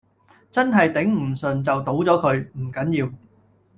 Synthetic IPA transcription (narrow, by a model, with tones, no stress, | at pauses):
t͡sɐ˥nɦɐ˨jt̪ɪ˨˥ŋm̩˨˩sɵ˨˩nt͡sɐ˨wt̪o˨˥wt͡sɔː˨˥kʰɵ˨˧ɥm̩˨˩kɐ˨˥njiː˧w